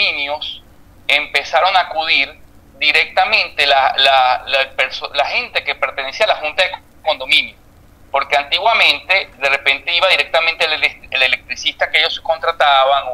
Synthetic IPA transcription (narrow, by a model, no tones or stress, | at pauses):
ĩnjos | e̞mpe̞saɾo̞ŋaːkuðiɾ | d̪iɾe̞k̚t̪amẽ̞nt̪e̞lalalapeɾsolahe̞nt̪e̞ke̞pe̞ɾt̪enesialaxunt̪aðek | ko̞nd̪o̞mĩnjo | po̞ɾke̞ant̪iɣwamẽ̞nt̪e̞d̪e̞re̞pe̞nt̪e̞iβaðiɾe̞k̚t̪amẽnt̪eleleelelek̚t̪ɾisist̪akeeʝo̞sko̞nt̪ɾat̪aβaŋo